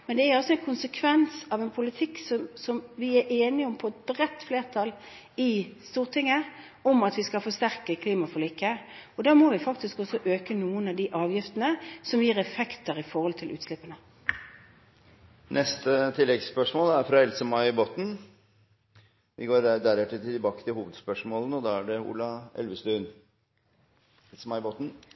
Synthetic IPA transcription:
mɛnd̪ɛæɾɔsːɔɛɪnkʰʊnsəkʰʋɛnsɑʋɛnpʰʊlɪt̪ʰɪksɔmsɔmʋɪæɾʔeːnɪɔmpʰɔɛt̪̚bɾɛt̪ːfleːʁt̪ʰɑl | ɪst̪uːʁt̪ʰɪŋːə | ɔmɑt̪ʋɪskɑlfɔʁst̪æʁkəkʰliːmɑfɔliːkːəɔd̪æːmoːʋɪfɑk̚t̪ɪskɔsɔʔøːkənuːənɑʋd̪ɪʔɑːʋjɪft̪ənəsɔmjiːʁɛfɛkt̪əʁɪfɔʁhɔlt̪ʰɪlʔʉ̰ːt̪slɪpːənə | nʔɛst̪ət̪ʰɪlːɛɡspœʂmoːlæɾfɾɑɛlsəmɑɪboːt̪n̩ | ʋʔɪ̰ɡoːɾd̪æɾɛt̪ːət̪ɪbɑːkə̥t̪ʰɪlhuːʋəd̪spœʂmoːlənəɔd̪ɑːæɖɛṵːlɑɛ̰lʋəst̪ʉːn | ɛlsəmɑɪboːt̪n̩

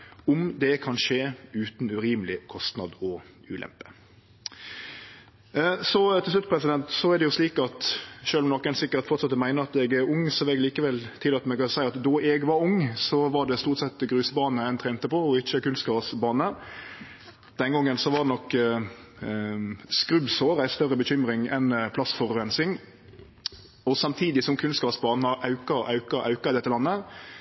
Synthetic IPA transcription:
ʊmd̪ɛkʰɑnʂeːʉːt̪nʉɾiːmlɪkʰɔst̪nɑd̪ɔ | ʉ̰ːlɛ̰mpə̥ | sɔt̪ʰɪlslʉt̪̚ːpʰɾɛsɪd̪ɛnt̪sɔæd̪ɛjʊsliːkɑt̪ʃøːlɔmnɔkːɛnsɪkːət̪fɔʁt̪sɑt̪ːəmæɪnəɾɑt̪ɛɡæɾʊŋːsɔʋɛɡliːkəʋɛlt̪ʰɪlɑt̪mɛɡkɑsæɪɑt̪d̪ɔɛɡʋɑɾʊŋːsɔʋɑɖɛst̪uːʁt̪sɛt̪ːɡɾʉːsəbɑːnəæɪnt̪ʰɾɛːnt̪əpɔɔɪçːəkʉnst̪kɑːʋəsbɑːnə | d̪̥ɛnɡɔŋːənsɔʋɑd̪ɛnɔkː | skɾʉbsoːɾæɪst̪œɾəbəçʏmɾɪŋɛnpʰlɑsfɔɾʉɛnsɪŋ | ɔsɑmt̪ʰiːd̪ɪsɔmkʰʉnskɑːʋəsbɑːnəʔɑʉkəɾɑʉkəɾʔɑ̰ʉkəɾɪd̪ɛt̪ːəlɑnːə

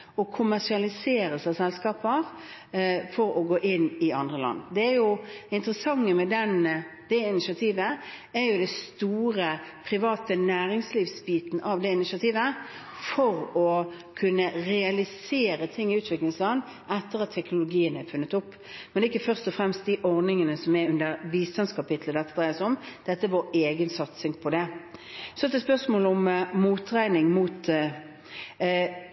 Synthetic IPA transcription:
ɔkʰʊmæʁʂɪɑlɪseːɾəsæsɛlskɑːpəʁ | fɔɾɔɡoːʔɪnːɪɑnd̪ʁəlɑ̰nːd̪ɛæɾjʊɪnt̪əʁəsɑŋːəmɛd̪ɛn | d̪̥ɛɪnɪʃɪɑt̪ʰiːʋə | ɛɾjʊd̪ɛst̪uːɾəpʰɾɪʋɑːt̪ənæːɾɪŋsliːʋsbiːt̪n̩ʔɑʋd̪ɛɪnɪʃɑt̪ʰiːʋə | fɔɾɔ | kʰʉnːəɾɛɑlɪseːɾət̪ʰɪŋːɪʉːt̪ʰʋɪkləŋslɑn | ɛt̪ːəʁɑt̪ʰːɛknʊlʊɡiːənæfʉnːət̪ʊpː | mɛnd̪ɛɪkːəfœʁst̪ɔfɾɛmst̪̚d̪ɪʔɔʁnɪŋənəsɔmɛʉnd̪əʁʋiːst̪ɑnskʰɑpɪt̪ləd̪ɛt̪ːəd̪ʁæɪəsɔmd̪̥ɛt̪ːəʋoːɾeːɡənsɑt̪sɪŋpʰɔd̪ɛ | sɔɛt̪ːɛspœʁsmoːlɔmmuːt̪ːʁæɪnɪŋmuːt̪

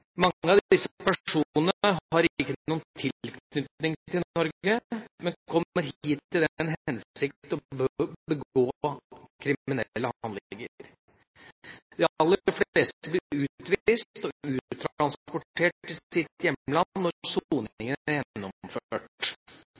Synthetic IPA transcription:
mɑŋːəɑʋd̪d̪ɪsːəpæʂʂuːnənəəɑɾɪkːənuːənt̪ʰɪlknʏt̪nɪŋt̪ɪlnɔɾɡəmɛnkʰɔmːəɾɦiːt̪ʰːɪld̪ɛnɦɛnsɪkt̪t̪ɔbbəɡɡoːkʰɾɪmɪnɛlːəhɑnlɡəɾ | d̪ɪlːəɾfleːstt̪əblɪɾəɾʉːt̪ʋist̪ɔʉːt̪ʰɾɾɑnspɔʈʰːeːʈɪsɪt̪jɛməlɑnːɔɾsuːnɪŋənæɾjɛnnːɔføːʈ

